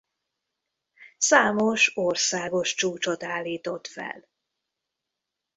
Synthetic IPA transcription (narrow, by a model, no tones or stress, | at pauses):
saːmoʃorsaːɡo̞ʃt͡ʃuːt͡ʃot̪aːlːiːt̪o̞t̪fɛ̰l